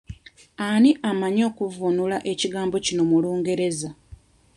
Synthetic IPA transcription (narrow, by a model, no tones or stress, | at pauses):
aniʔamaɲo̞ːkuvunulaʔe̞ciɡaːmbo̞cino̞muluːŋɡe̞ɾe̞za